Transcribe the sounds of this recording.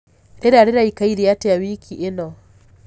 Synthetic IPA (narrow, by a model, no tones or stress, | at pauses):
ɾeɾaɾeɾaikaiɾiatɛjawikʰiʔenɔ